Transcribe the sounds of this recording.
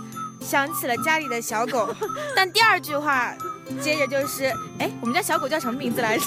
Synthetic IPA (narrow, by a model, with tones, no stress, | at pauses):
ɕjɑ˧˥ŋt͡s̩ʰ˨˩lə˦t͡ɕja˥li˨˩d̪ə˦ɕjɑ˧˥ʊko˨˩˦ʊt̪a˥˧nt̪i˥˧ɐə˞˥˧t͡ɕy˥˩xwa˥˩t͡ɕjɛ˥ʈ͡ʂə˨˧t͡ɕjo˥˧ʊʂɻ̩˥˩e˥˩ɪwmə˦nt͡ɕjɕjɑ˧˥ko˨˩t͡ɕjʊʂɤ˧˥mə˧mi˧˥ŋd͡zɹ̩˧la˧˥ɪ